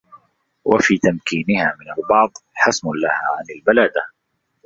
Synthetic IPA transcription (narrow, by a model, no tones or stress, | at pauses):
wafiːt̪amkiːnɪhaːmɪnalbɑʕðˤħasmʊlahaːʕanalbalaːd̪a